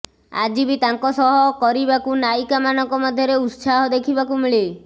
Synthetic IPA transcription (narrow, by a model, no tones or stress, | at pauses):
a̰d͡ʒibit̪aŋkɔsɔɦɔkɔɾibakunajkamanɔŋkɔmad̪ʱjɔɾeut̪saɦɔd̪ekʰibakumiɭe